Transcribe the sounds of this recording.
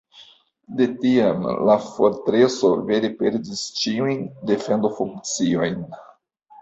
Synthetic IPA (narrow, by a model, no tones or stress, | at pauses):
de̞tiamlafoɾtɾeso̞̰veɾepeɾdist͡ʃiujnde̞fe̞ndofuŋkt͡sio̞jn